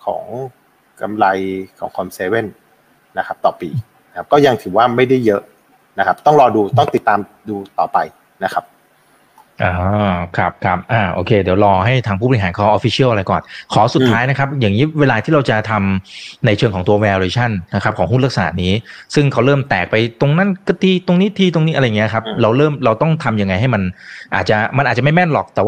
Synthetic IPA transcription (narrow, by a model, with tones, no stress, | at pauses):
kʰɔ̰ː˩˦ŋ | ka̰˧mla˧jkʰɔ̰ː˩˦ŋkʰɔ˧mseː˧we˥˩n | na˦˥kʰa˦˥p̚t̪ɔː˨˩piː˨˩ | a˦kʰa˦˥p̚kɔː˥˩ja˧ŋt̪ʰɯ˩˦waː˥˩ma˥˩jda˥˩jːɤ˦˥ʔ | na˦˥kʰa˦˥p̚t̪ɔ˥˩ŋɾɔː˧duː˧t̪ɔ˥˩ŋt̪i˨˩t̪ːaː˧m | duː˧t̪ɔ̰ː˨˩pa˧j | na˦˥kʰa˦˥p̚ | ʔaː˧˩kʰɾa˦˥p̚kʰɾa˦˥p̚ʔaː˨˧˩ʔo̰ː˧˩kʰeː˧di˩˦wɾɔː˧ɦa˥˩jt̪ʰaː˧ŋpʰu˥˩bɔ˨i˧˩aː˩˦nkʰɔː˧ʔoː˧˩fi˦˥t͡ɕʰi˥˩lʔa˧ɾa˧jkɔː˨˩nkʰɔː˩˦su˨˩t̪ʰːaː˦˥jna˦˥kʰa˦˥p̚jaː˨˩ŋːiː˦˥weː˧laː˧iː˥˩ɾa˧wt͡ɕa˨˩t̪ʰa˧mna˧jt͡ɕʰɤː˧ŋʰkʰɔ˩˦ŋt̪u˧ɐwɛː˧ɾeː˧t͡ɕʰa˥˩nna˦˥kʰa˦˥p̚kʰɔː˩˦ɦu˥˩la˦˥k̚sa˧na̰˨˧˩niː˦˥sɯ˥˩ŋkʰa˦˥wɾɤː˥˩mt̪ɛː˨˩k̚pa˧jt̪o˧ŋna˦˥˨nkɯ˥˩t̪ʰiː˧t̪o˧ŋniː˦˥t̪ʰiː˧t̪o˧ŋniː˦˥ʔa˧jːŋi˦˥˧kʰa˦˥p̚ɾa˧wɾɤː˥˩mɾa˧wt̪ɔ˥˩ŋt̪ʰa˧mja˧ŋːa˧jɦa˥˩jma˧nʔa̰ː˨˩t̪̚t͡ɕa˨˩ma˧nʔaː˨˩t͡ɕa˨˩m˥˩jmɛ˥˩nlɔː˨˩k̚t̪ɛː˨˩wa˥˩